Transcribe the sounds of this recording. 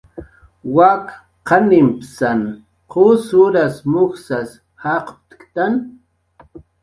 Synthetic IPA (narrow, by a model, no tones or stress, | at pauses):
wak | qanimpsan | qʰosʊɾasmʊxsas | haqp̚t̪kt̪an